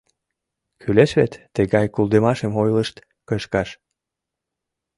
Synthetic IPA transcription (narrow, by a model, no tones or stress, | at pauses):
kʰyleʃβet̪ːəɣɑjkulˠd̪emɑʃemojləʃt̪ | kəʃkɑʃ